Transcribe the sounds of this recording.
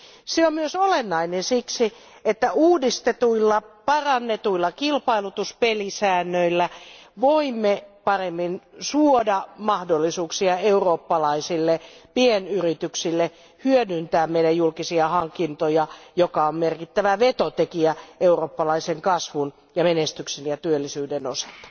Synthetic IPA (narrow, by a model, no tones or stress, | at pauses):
seommyøsolenːɑinensiksi | et̪ːæʔuːdist̪et̪uilːɑpɑrɑnːet̪uilːɑkilpɑilut̪uspelisæːnːøilːæʋoimːepɑremːinsuodɑmɑhdolːisuːksiɑeuroːpːɑlɑisilːepienyrit̪yksilːe | hyødynt̪æːmmeiɾæjjulkisiɑhɑŋkint̪ojɑjokɑommerkit̪ːæʋæʋet̪ot̪ekiæeuroːpːɑlɑiseŋkɑsʋun | jɑmenest̪yksenjɑt̪yølːisyːdenosɑ̥lt̪ɑ̥